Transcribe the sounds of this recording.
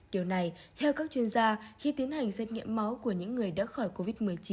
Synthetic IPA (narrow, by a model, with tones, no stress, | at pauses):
ɗi˨˩əwna˨˩jt̪ʰɛ˧wkaː˦˥k̚t͡ɕwi˧ənzaː˧xi˧t̪i˨˦ənha˨˩jŋ̟sɛ˧˥t̚ŋḭ˧˨əmːa˨˦wku˧˩əɲɨ̰˧˥ŋːɨ˨˩əjɗa̰ː˧˥xɔ˧˩jko˧vi˦˥t̚mɨ˨˩əjt͡ɕi˨˦